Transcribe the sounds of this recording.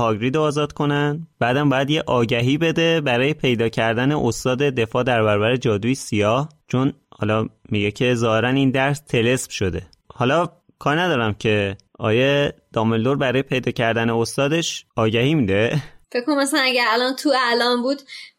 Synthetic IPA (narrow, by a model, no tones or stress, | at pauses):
hɒɟɾiːd̪oːzɒːd̪kʰo̞nænb̥æːd̪æmbɒːjæd̪jeʔɒːɟæɦiːbe̞d̪e̞bæɾɒːje̞pʰe̞jd̪ɒːcʰæɾd̪æneʔost̪ɒːd̪e̞d̪e̞fɒːd̪æɾbæɾɒːbæɾed͡ʒɒːd̪uːjisijɒːht͡ʃʰo̞nhɒ̰ːlɒmiɟecʰe̞zɒːhe̞ɾæniːnd̪æɾst̪ʰe̞le̞sb̥ʃo̞d̪e̞ | hɒːlɒ | kʰɒːɾnæd̪ɒːɾæmcʰe̞ | ʔɒ̰ːjed̪̥ɒːmelːoɾbæɾɒːjepʰe̞jd̪ɒːcʰæɾd̪æneost̪ɒːd̪e̞ʃɒːɟæhiːmiːd̪e̞fekkːonmæsænæɟæɾælɒnt̪ʰuælɒmbuːd̪